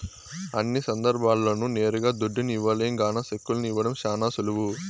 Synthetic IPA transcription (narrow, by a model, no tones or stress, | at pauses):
ɐnːisɐnd̪ɐɾbʱaːlːɐnune̞ːɾuɡaːd̪uɖːiniiʋːɐleːŋɡaːnɐʃekːulɐnuiʋːɐɽɐmʃaːnaːsuluʋu